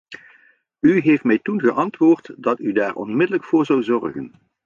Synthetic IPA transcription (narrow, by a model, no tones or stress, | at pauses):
yɦejftmɛjtunχəʔɑntʋʊːɹtdɑtydaːɹʔɔ̰nmɪdələkfʊːɹzɑwzɔɹɣə̰n